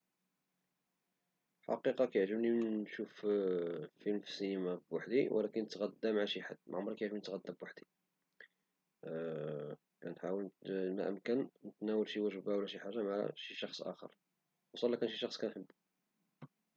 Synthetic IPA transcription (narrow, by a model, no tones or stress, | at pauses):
ħɑ̰qiqɑkæjəʕʒəbninʃuf | filmfisinimæbwaħd̪iw̰lækənət̪ɣæd̪ːæmʕaʃiħad̪ːmæ̰ʕʊmːɾˤkæjʕʒəbmninət̪ɣæd̪ːæbwaħd̪i | kænħawəlnæʔəmkənnət̪næwəlʃiwæʒəbæwlːæʃiħaʒːamaʕa̰ʃiʃɑxsˤʔæ̰xə̰ɾˤ | wɑsˤɑlːækænʃiʃɑxsˤkænħəbː